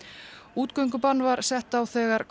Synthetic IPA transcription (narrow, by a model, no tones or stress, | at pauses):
uːt̪kœɥŋk̬ʏpanːvaɾ̥sɛht̪awθɛːɣaɾk